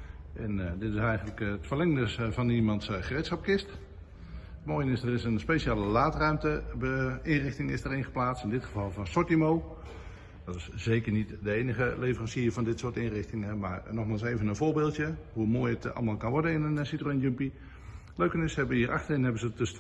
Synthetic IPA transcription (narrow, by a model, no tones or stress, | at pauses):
ʔɛndɪtɪsɛjɣənləkətfərlɛŋndəsvɑnimɑntsχəretsχɑp̚kɪst | tmoːjənɪsdərɪsənspeʃaːlˠəlaːtrœɥmtəbəɪnrɪxtɪŋɪsdərɪnχə̥plaːt͡sstɪndɪtχəvɑlˠvɔnsɔtimow | d̥ɔtɪsz̥eːkərnitdəeːnəχəleːvərɑnsiəvɑndɪtsʊːtɪnrɪxtɪŋɛmaɹnɔχmaːlˠseːvənənvoːɹbeːlˠtjəɦumoːjətɑ̰lˠmaːlˠkɑnʋɔɹdənɪnənsitronjəmpi | løɥkənɪsɛbəəiːərʔɑ̰xtərɪnɦɛbənzədøs